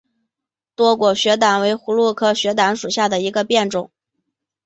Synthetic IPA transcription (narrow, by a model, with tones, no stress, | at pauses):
t̪wɔ˥kwɔ˨˩ɕɥɛ˧˥t̪a˨˩nwe˧˥ɪxu˧˥lwu˥˧kʰɤ˥˩ɕɥɛ˧˥t̪̬a˧˥nʂu˨˩ɕja˥˩d̪ə˩i˧˥ɡə˧pjɛ˥˩nʈ͡ʂʊ˨˩˦ŋ